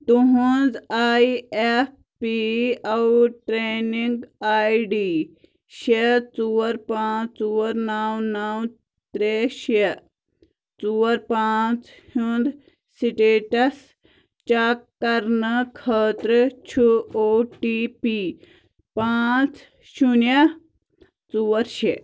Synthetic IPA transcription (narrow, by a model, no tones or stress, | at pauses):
t̪uɦund͡zaːief̚ | piɐwʈɾeːniŋɡaːiɖiː | ʃet͡suːɐɾpãːt͡suːɐɾnaːwnaːw | t̪ɾeːʃe | t͡suːɐɾpaːt͡shund̪ | siʈeːʈɐs | t͡ʃaːkːɐɾnɐkʰəːt̪ɾɨt͡ʃʰuoːʈipi | paːt͡s | ʃunɐ | t͡suːɐɾʃe